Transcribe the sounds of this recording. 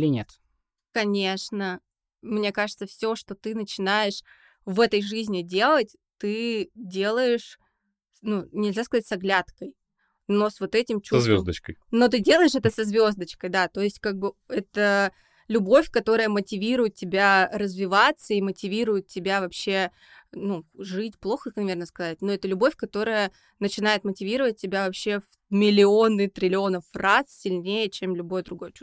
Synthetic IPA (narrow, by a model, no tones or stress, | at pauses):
lʲɪnʲet̪ | kɐnʲe̞ʂnə | mnʲekaʐɨt̪səfsʲo̞ʂt̪o̞t̪ɨnət͡ɕɪnajɪʂ | vɛt̪əjʐɨzʲnʲɪdʲe̞lˠətʲ | t̪ɨdʲe̞lˠəjɪʂ | nunʲɪlʲzʲaskɐzatʲsɐɡlʲat̪kəj | no̞svo̞t̪ɛtʲɪmt͡ɕuzvʲozd̪ət͡ɕkəjno̞t̪̬ɨdʲelˠəɪʂɛt̪əsɐzvʲo̞zd̪ət͡ɕkəjd̪at̪o̞ɪsʲtʲkaɡ̚bɨɛt̪ə | lʲʊbo̞fʲkɐt̪o̞ɾəjəmətʲɪvʲiɾʊjɪt̪̚ʲtʲɪbʲaɾəzvʲɪvat̪səimətʲɪvʲiɾʊjɪt̪̚tʲɪbʲavɐpɕːe̞ | nuʐɨtʲplˠo̞xəknvʲernəskɐzat̚ʲno̞ɛt̪əlʲʊbo̞fʲkɐt̪o̞ɾəjə | nət͡ɕɪnajɪt̪mətʲɪvʲiɾəvət̚ʲtʲːɪbʲavɐpɕːe̞v | mʲɪlʲɪo̞nɨt̪ɾʲɪlʲɪo̞nəfrassʲɪlʲnʲejət͡ɕemlʲʊbo̞jəd̪ɾʊɡo̞jt͡ɕu